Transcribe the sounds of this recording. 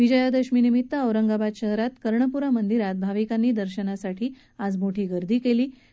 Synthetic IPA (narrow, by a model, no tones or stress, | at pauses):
ʋid͡ʑəjad̪əɕminimit̪ːəəʋɾəŋɡabad̪ɕəɦɾat̪kəɾɳəpuɾamənd̪iɾat̪̚bʱaʋikanːiːd̪əɾɕənasaʈʰiː | ad͡zmoʈʰiːɡəɾd̪ʱiːkeliː